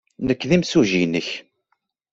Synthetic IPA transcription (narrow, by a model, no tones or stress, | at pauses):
nəkːðimsuʒinəç